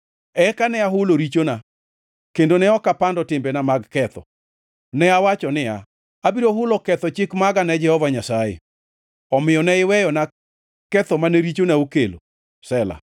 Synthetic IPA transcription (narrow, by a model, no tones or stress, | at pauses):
ɛkanɛaɦʊloɾit͡ʃona | kendonɛɔkapandɔtɪmbenamaɡkɛt̪ɔ̰ | nɛawat͡ʃɔnɪa̰ː | biɾoɦʊlɔkɛt̪ɔt͡ʃɪkmaɡanɛd͡ʒɛhɔvaɲasajḛ | ɔmɪɔnɛɪwɛjɔna | kɛt̪ɔmanɛɾit͡ʃonaukelo̰ | sɛla̰